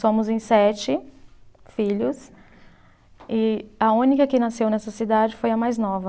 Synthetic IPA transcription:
sõmʊzẽj̃sɛt͡ʃɪ | fiʎʊs | ɪɐũnikɐkɪnasewnɛsɐsid̪ad͡ʒɪfojɐmajznɔvɐ

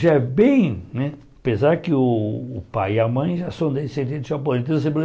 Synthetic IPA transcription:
ʒaɛbẽj̃nɛ | apezaɾkɪʊːpajɪamɐ̃j̃ʒasɐ̃w̃d̪ejsẽnt̪ĩd̪ʊʒap̬olɐ̃t̪̬ẽs̬ẽpol

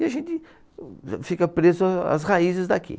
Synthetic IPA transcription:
iaʒẽnt̪ɪ | fikapɾesoa̰s̬raisesd̪akʰḭ

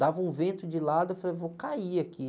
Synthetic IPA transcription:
d̪avɐũvẽnt̪ʊd͡ʒɪlad̪ʊefalejvokaiakʰi

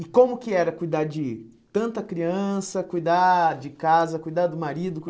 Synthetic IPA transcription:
ɪkõmʊkɪɛɾɐkujd̪ad͡ʒɪ | t̪ɐ̃nt̪ɐkɾiɐ̃sɐkujd̪ad͡ʒɪkazɐkujd̪ad̪ʊmaɾid̪ʊk

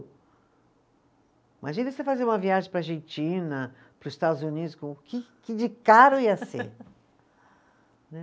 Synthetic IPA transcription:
imʔaʒĩnɐsefazeɾũmɐviaʒẽj̃pɾaʒẽnt͡ʃĩnɐ | pɾʊzɪst̪ad̪ʊzunid̪ʊskõkɪkɪd͡ʒɪkaɾʊiɐsḛɾ | nɛ

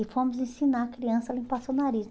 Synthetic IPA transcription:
ɪfõmʊzẽsinaɾkɾiɐ̃sɐlĩpasonaɾiz

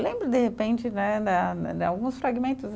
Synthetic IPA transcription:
lẽmbɾʊd̪ehepẽnt͡ʃɪnɛd̪ɐawɡũsfɾaɡimẽnt̪ʊs

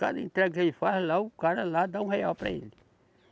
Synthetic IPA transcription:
ka̰d̪ɐḛ̃nt̪ɾɛɡkelɪfazlaʊkaɾɐlad̪aũheawpɾɐ̰ḛlɪ

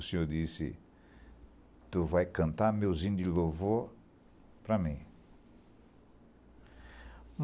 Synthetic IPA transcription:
sĩod̪isḭ | t̪uvajkɐ̃nt̪amewzĩnd̪ilovo | pɾamĩ | m

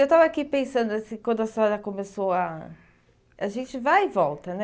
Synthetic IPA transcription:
ewt̪avɐakipẽsɐ̃nd̪ʊɐsĩkwɐ̃nd̪ʊɐst̪ɔɾɐkomesowɐ | ɐʒẽnt͡ʃɪvajvɔlt̪ɐnɛ

